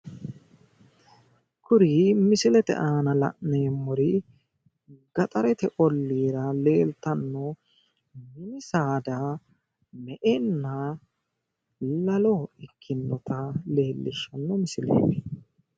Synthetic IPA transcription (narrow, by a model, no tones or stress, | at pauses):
kʰʊɾiːmɪsɪlɛt̪ɛ̰ʔaːnɐlɐ̰ʔneːmːɔɾɪ | ɡɐt̪ʼɐɾɛt̪ɛʔɔlːiːɾɐle̞ːlt̪ɐnːɔ | mɪnɪsaːd̪a | mɛʔɛnːa | lɐlɔɪkʰːɪnːɔt̪ɐle̞ːlːɪʃɐnːɔmɪsɪlḛːme